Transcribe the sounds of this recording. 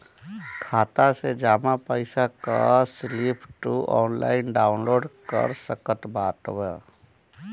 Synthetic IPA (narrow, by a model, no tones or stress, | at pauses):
kʰaːt̪ased͡ʒaːmapəɪsaka̰slipʰʈuɔːnla̰ːɪnɖaːʊnloːɖkə̰ɾsəkət̪baːʈbə